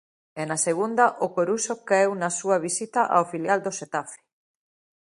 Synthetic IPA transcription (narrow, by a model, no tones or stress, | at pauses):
ɛnaseɣ̞und̪aʔokoɾusokaewnasuaβ̞isit̪aʔa̰ofiljald̪oset̪afe̥